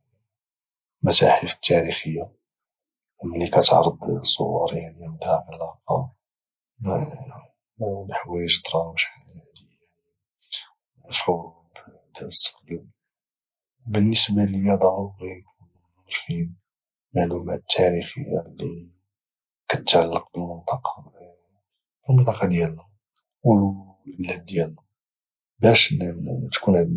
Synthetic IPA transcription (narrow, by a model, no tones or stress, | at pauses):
mæt̪a̰ħəfə̥t̪ʰːæɾixəjːa | ʔmːlikæt̪ʕɾˤəd̪sˤo̰wɑ̰ɾˤjaʕnimt̪hæbəlɑqɑ | lħwæjʒd̪ɾˤɑwʃæaʕni | ni | əfɾu | b | d̪æsːɡi | bənːəsbaləjæd̪ˤɑuɾik | lfin | maʕlumæ̰t̪ʰːæɾixə̰jːa̰li | kæt̪ʕalːəq̚bəlmənt̪ˤɑqɑ | bəlmənt̪ˤɑqɑd̪jælnæ | w | lbəlæd̪̚ːjælnæ | bæʃnt̪kun